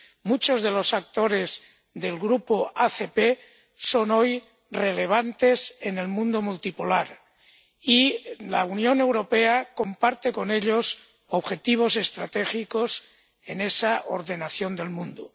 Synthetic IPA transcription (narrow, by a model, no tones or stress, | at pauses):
mut͡ʃozðe̞lo̞sak̚t̪o̞ɾe̞z | ðe̞lɣɾupoaθepe | so̞no̞j | re̞le̞β̞ant̪e̞sene̞lmũnd̪omult̪ipulaɾ | ilaunjo̞ne̞wɾo̞pe̞ako̞mpaɾt̪e̞ko̞ne̞ʎos | oβxe̞t̪iβ̞o̞se̞st̪ɾat̪exikos | enesaʔo̰ɾðe̞naθjo̞nd̪e̞lmũnd̪o